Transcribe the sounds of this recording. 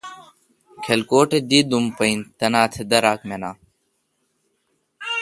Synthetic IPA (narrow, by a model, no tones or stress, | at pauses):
kʰelkoːʈed̪iːd̪umpəint̪ɐnaːt̪ʰed̪əɾaːkmenaː